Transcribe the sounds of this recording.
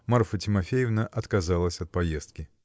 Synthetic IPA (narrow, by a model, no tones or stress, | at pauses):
mɐrfətʲɪmɐfʲejɪvnəʔɐt̪kɐzalˠəsʲɐt̪̚pɐje̞st̪̚kʲɪ